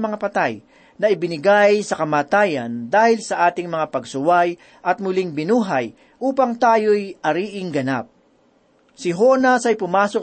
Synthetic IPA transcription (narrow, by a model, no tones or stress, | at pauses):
mɐŋapɐt̪aj | nɐɪbɪnɪɡajsɐkɐmaːt̪aːjɐnd̪aːhɪlsɐʔaːt̪ɪŋmɐŋapɐɡsʊwaj | ʔɐt̪̚mʊlɪŋbɪnuːɦaj | ʔuːpɐŋt̪aːjojʔɐɾiːʔɪŋɡɐna̰p̚ | sɪɦo̞nɐsɐjpʊmaːso